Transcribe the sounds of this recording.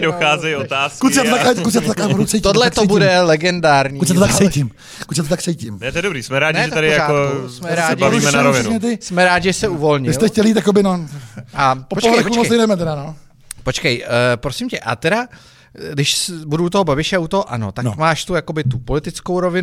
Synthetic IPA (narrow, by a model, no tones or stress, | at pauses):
doxaːzɛjot̪aːskut̪sɪat̪ot̪akat̪kut̪s̬ɪjat̪ot̪akaɾut͡sɛjt̪odlɛt̪obudɛlɛɡɛndaːɾɲiutsɛot̪aksɛjim | kut̪sɛt̪ot̪akt͡sɛjcɪmnɛt̪oɛdobɾiːsmɛɾaːɟnɪtɛt̪aɾɪjaaosmɛɾaːɪavimɛnaɾovɪnumɛt̪ɪsmɛɾaːɟɪʒɛsɛuvo̞lɲɪɪslt̪ɛxcɛlit̪jakobɪnoʔaoopoɦoɾɛxumoldɛmɛt̪ɛdano | pot͡ʃkɛjpɾosɪmcɛʔa̰t̪ɛɾa | ɡdɪʃsbuduut̪oɦobabɪʃɛaut̪oɦoʔano̞̰t̪amaːʃt̪ujakobɪt̪upolɪt̪ɪt͡skowɾo̞vɪnu